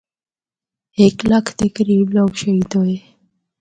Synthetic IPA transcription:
eklakʰt̪ekəɾibloɡʃəit̪oe

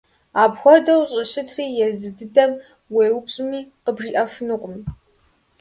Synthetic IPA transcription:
aːbxʷɔdɐwɕʼɪɕɪtʰriːjɛzɨdɨdɐm | weːwʊpɕʼɪmiːqəbʒiːʔɐfɨnɨqʷʼʊm

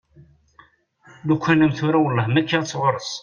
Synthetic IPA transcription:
ðukʷːænæmθuɾæwəlːɑhmækːət͡sːʁʊɾˤəs

